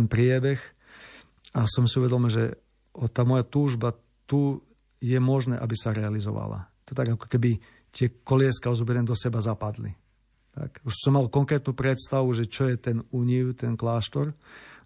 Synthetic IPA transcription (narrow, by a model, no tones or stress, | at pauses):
npɾɪɛbɛx | asɔmsiuʋɛd̪ɔmilʒɛ | ɔt̪aːmɔjat̪uːʒba | t̪u | jɛmɔʒnɛ̰ːʔabisaɾɛalizɔ̰ʋa̰la̰t̪ɔt̪aɡakɔ̥kɛbi | t̪ɪɛkɔlɪɛskaɔzubɛɾɛnd̪ɔsɛbazapad̪lḭ | t̪a̰kuʃsɔmːalkɔŋkɾɛːt̪nuːpɾɛt̪st̪aʋuʒɛt͡ʃɔjɛt̪ɛnuɲiʊt̪ɛnklaːʃt̪ɔɾ